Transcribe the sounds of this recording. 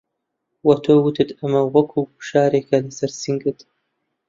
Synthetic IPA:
wɐt̪ʰoːwɨt̪ʰɨt̪ʰɐmɐwɐkʰuːuʃaːɾeːkʰɐlɐsɐɾsɨŋɡɨt̪

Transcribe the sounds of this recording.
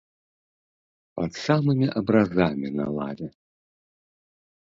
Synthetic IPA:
pɐt̪samɨmʲiʔɐbɾazamʲina̰lˠa̰vʲɛ

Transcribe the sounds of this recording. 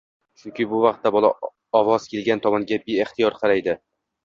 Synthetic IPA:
t͡ʃʰʊŋkʲʰɪbʊvɑq̚t̪ːabɒlˠa̰ | ɒvɒz̥kʲʰe̞lɡʲant̪ʰɒmɒnɡʲabeeχt̪ijɒɾqʰɑɾajd̪ɪ

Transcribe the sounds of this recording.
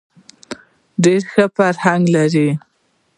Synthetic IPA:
ɖeɾxəfaɾhaŋɡlaɾi

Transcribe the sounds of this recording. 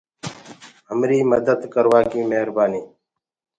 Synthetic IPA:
ɦəmɾiːməd̪əd̪kəɾʋaːkĩːmeɦɾbaːniː

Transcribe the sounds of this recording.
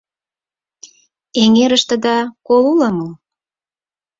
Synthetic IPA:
eŋeɾəʃt̪ə̆d̪ɑkoluləməl

